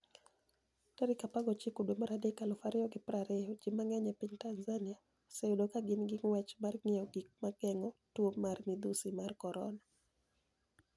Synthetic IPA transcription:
kaɾikapaɡɔt͡ʃikodwomaɾadekalʊfaɾɪɔɡɪpɾaɾɛɔd͡ʒimaŋɛɲɛpiɲtanzania | sɛudokaɡɪnɡɪŋwɛt͡ʃmarŋɪɔɡik̚maɡɛŋɔtwomːarmid̪usimarkɔɾɔ̰na

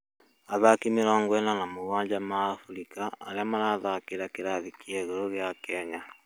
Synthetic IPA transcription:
aðakimeɾɔːŋɡwɛnanamoɣwaːɲd͡ʒamaːfuɾikaːɾeamaɾaðakeɾakeɾaðikiɛɣoɾoɣjakɛɲa

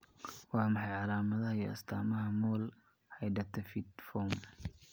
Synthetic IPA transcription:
wɑːmɑħɑjʕɑlaːmɐðɐɦɐjiɐ̰st̪ʰaːmɐɦɐmɔːl | hɑjɖɐt̪ʰɐfid̪fɔm

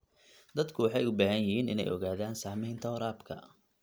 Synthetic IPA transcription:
d̪ɐd̪kʰʊwɑħɑjʊbaːɦɐnjɪɦiːnɪ̰nɛ̰jʔɔ̰ɣaːðaːnsaːmɛjnt̪ʰɐʊɾaːbkʰɐ̰

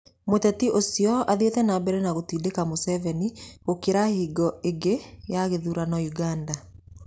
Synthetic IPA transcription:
motɛtiʔosjɔaðetɛnabɛɾɛnaɣotiːdekamosɛvɛniɣokeɾahiːɡɔeɡejaɣeðuɾanɔjuɡaːnda

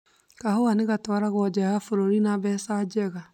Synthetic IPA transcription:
kahowaneɣatwaɾaɣwɔd͡ʒɛɣafoɾoɾinaβɛːsad͡ʒɛɣa

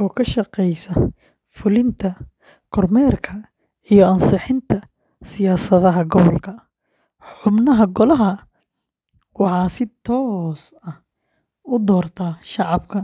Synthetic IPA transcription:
ʔɔːkʰɐʃɐqɛjsɐ | fʊlɪnt̪ʰɐ | kʰɔrmɛːrkʰɐ | ijɔɐnsɪħɪnt̪ʰɐ | sɪjaːsɐðɐɦɐɡɔβɔlkʰɐ | ħʊbnɐɦɐɡɔlɐɦɐ | wɑħɑːsɪt̪ʰɔːsɐh | ʊd̪ɔːrt̪ʰaːʃɑʕɑbkʰɐ

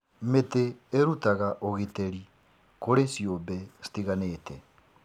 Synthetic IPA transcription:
meteːɾutaɣaʔoɣeteɾi | koɾesjobɛsi̥tiɣaneːtɛ

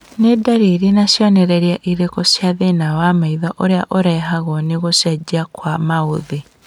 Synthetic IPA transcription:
nedaɾiɾinasjɔnɛɾɛɾiaʔiɾekosjaðenawamaiðɔʔoɾeaʔoɾɛːɦaɣɔneɣosjad͡ʒakwamaoði

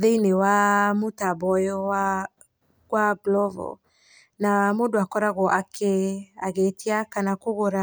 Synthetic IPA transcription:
ðeinewamotabɔjɔa | ɡwaɡlɔvɔ̰ | namodoakɔɾaɣɔʔakʰeaɣetiakanakoɣoɾa

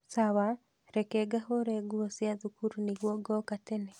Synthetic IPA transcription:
sawa | ɾɛkeɡahoɾeɡuosjaðukuɾuniɣwɔɡɔkatenɛ

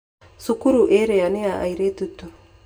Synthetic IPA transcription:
sukuɾuʔeɾeaneaʔa̰iɾet̪utu

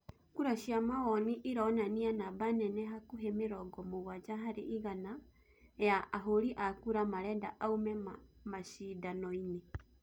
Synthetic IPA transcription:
kuɾaʃiamawɔniʔiɾɔnanianaβanɛnɛɦakuɦɛmeɾɔɡɔmoɣwad͡ʒaɦaɾḛʔiɣana | ɛjaːɦoɾiʔakuɾamaɾɛndaʔaumɛmamaʃidanɔine

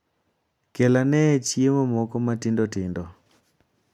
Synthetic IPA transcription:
kɛlanɛt͡ʃiemɔmɔkɔmatindɔtindɔ

